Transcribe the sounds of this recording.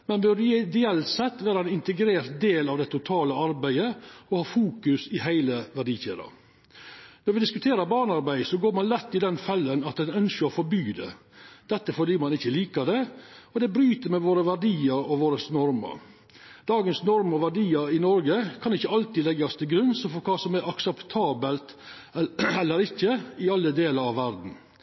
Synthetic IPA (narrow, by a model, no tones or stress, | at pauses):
mɛnʋɪɾd̪ɪɛlt̪sɛt̪ːʋæːɾɑɛnɪnt̪əɡɾeːɾt̪d̪eːlɑʋd̪ɛt̪ʰʊt̪ʰɑːləɑɾbæɪəɔhɑːfuːkʉsɪhæɪləʋæɖiːçḛːd̪ɑ̰ | nɔɾʋɪd̪ɪskʉt̪ʰeːɾɑbɑːɳɑɾbæɪsɔɡoːɾmɑnlɛt̪ːɪd̪ɛnfɛlːənɑt̪̚d̪ɛnœnskəɾɔfɔɾbyːd̪ɛ̰ | d̪̥ɛt̪ːəfɔɖiːmɑnɪçːəliːkəd̪ɛɔd̪ɛbɾyːt̪əɾmɛʋoːɾəʋæɖiːəɾɔʋoːɾəsnɔɾmə̰ɾ | d̪̥ɑːɡənsnɔɾmɔʋæɖiːəɾɪnɔɾɡəkʰɑnɪçːəɑlt̪ɪlɛɡɑst̪ʰɪlɡɾʉnsəfɔɾkʰɑːsɔmæɾɑksəpt̪ʰɑːbəlt̪ | ɛlːəɾɪçːəɪɑlːəd̪eːlɑɾɑʋːæɾd̪n̩